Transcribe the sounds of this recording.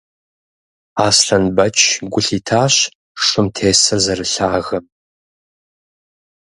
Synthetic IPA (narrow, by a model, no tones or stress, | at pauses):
aːsɬɐnbɐt͡ʃʼʰɡʷʊɬiːtʰaːɕ | ʂʷʼʊmtʰeːsɐrzɐrɨɬaːɣɐm